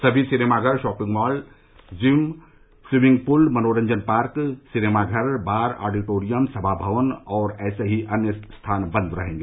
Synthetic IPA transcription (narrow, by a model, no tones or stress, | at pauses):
səbʱisinemaɡʱəɾʃɔːpĩŋɡmɔːl | d͡ʒim | siʋĩŋɡ̚pulmənoɾə̃ɲd͡ʒənpaɾksinemaɡʱəɾbaɾa̰ːɖiʈoɾijəmsəbʱabʱəʋənɔːɾɛːseɦiʔɐnjəst̪ʰanbə̃nd̪ɾəɦẽŋɡe